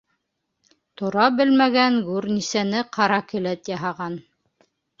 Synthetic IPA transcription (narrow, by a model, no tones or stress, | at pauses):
t̪oɾɑbɘlmæɡæŋɡʉɾnisænɘqʰɑɾɑkɘ̆læt̪jɑɦɑʁɑn